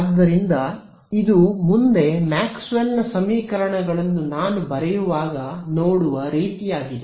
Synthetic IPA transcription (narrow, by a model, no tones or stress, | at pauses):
ad̪ːɐɾind̪ɐ | id̪umund̪e̞maːksʋelnɐsɐmiːkɐɾɐɳɐɡɐɭɐnːunaːnubɐɾɛjuʋaːɡɐnoːɽuʋɐɾiːt̪ijaːɡid̪e